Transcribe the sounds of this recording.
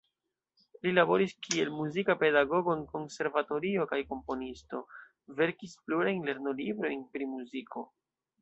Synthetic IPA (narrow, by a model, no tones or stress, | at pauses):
lilabo̞ɾiskielmuzikape̞daɡo̞ɡo̞nko̞nse̞ɾvato̞ɾio̞kajko̞mpo̞nisto̞ | ve̞ɾkispluɾajnle̞ɾno̞libɾo̞jnpɾimuzikʰo̞